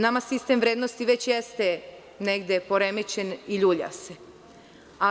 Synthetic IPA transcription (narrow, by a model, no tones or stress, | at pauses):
namasist̪emʋɾed̪nost̪iʋet͡ɕjest̪e | neɡd̪e̞po̞ɾemet͡ɕeniʎuːʎa̰se | a